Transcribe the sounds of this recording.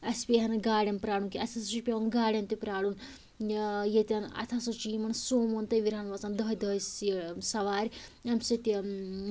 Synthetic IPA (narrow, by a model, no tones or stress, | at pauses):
ɐspʲiɦɐnɐɡaːɽʲjɐmpɾaːɽunkiɐt̪ʰasut͡ʃipʲeʋɐnɡaːɽʲjɐmt̪ipɾaːɽun | jet̪ʲɐnɐ̰t̪ʰasut͡ʃiːmɐnsoːmont̪ɐjʋiɾanʋɐt͡sand̪ɐɦd̪ɐsisɐʋaːɾʲɐmset̪i